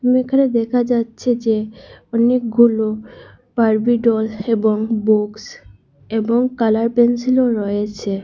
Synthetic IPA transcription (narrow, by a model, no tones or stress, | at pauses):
t̪umiekʰaned̪ɛkʰad͡ʑatːɕʰed͡ʑeɔnek̚ɡulo | paɾbiɖɔleboŋbuks | eboŋkalaɾpensiloɾɔjet͡ɕʰe